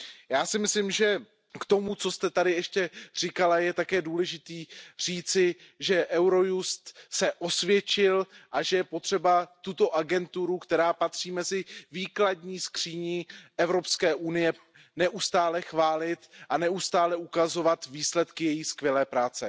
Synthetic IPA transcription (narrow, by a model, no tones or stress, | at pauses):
jaːsɪmɪslɪmʒɛ | kt̪o̞mut͡so̞st̪ɛt̪adɪɛʃcɛr̝̥ɪkalajɛt̪akɛːduːlɛʒɪt̪iːr̝̥iːt͡sɪ | ʒɛʔɛwɾo̞just̪sɛʔo̞svjɛt͡ʃɪlʔaʒɛjɛpo̞t̪r̝̥ɛbat̪ut̪o̞ʔaɡɛnt̪uɾukt̪ɛɾaːpat̪r̝̥iːmɛzɪviːkladɲiːskr̝̥iːɲɪɛvɾo̞pskɛːʔunɪjɛ | nɛʔust̪aːlɛxvaːlɪt̪ʔanɛust̪aːlɛʔukazo̞vat̪viːslɛt̪kɪjɛjiskvjɛlɛːpɾaːt͡sɛ